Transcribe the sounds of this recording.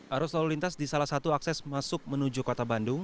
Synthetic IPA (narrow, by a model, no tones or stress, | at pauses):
ʔaɾuslaulint̪asdisalahsat̪uaksɛsmasʊk̚mənud͡ʒukot̪abandʊŋ